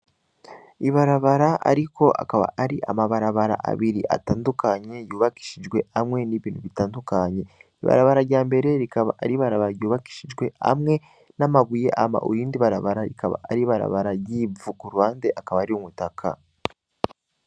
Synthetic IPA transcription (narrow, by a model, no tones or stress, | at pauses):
iβaɾaβaɾaʔa̰ɾikʰo̞a̰kaβa̰ʔaɾiʔa̰maβaɾaβaɾa̰ʔa̰βiɾiʔa̰taːndukaɲe̞juːβaki̥ʃid͡ʒɡwe̞amŋe̞niβiːn̥huβitaːndukaɲe̞iβa̰ɾa̰βaɾaɾɟaːmbe̞ɾe̞ɾikaβaʔaɾiβaɾaβaɾajuːβaki̥ʃid͡ʒɡwe̞a̰mŋe̞ | namaβuje̞ʔama̰ʔṵjiːndiβaɾaβaɾaɾikaβa̰ʔːɾiβaɾa̰βaɾajiːvukuɾuwaːnde̞ʔakaβaːɾiumutakʰa̰